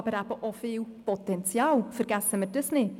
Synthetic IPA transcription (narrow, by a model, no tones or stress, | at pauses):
bəɾabɔʔɔfɪwpɔtʰɛntʰjalˠfərɡasəmədəsni